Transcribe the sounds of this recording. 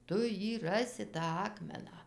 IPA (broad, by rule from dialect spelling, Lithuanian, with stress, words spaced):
ˈtʊ ˈjiː ˈrɑːsʲɪ tɑː ˈɑːkmʲɛnɑː